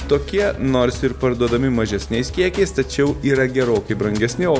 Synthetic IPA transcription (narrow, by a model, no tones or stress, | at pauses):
t̪oːkʲiɛnoːɾsɪɾpɐɾd̪uɔd̪ɐmʲɪmɐʒʲɛsʲnʲɛɪskʲiɛkʲɛɪst̪ɐt͡ʃʲɛʊiːɾɐɡʲɛɾoːkɐɪbɾɐŋʲɡʲɛsʲnʲɪoː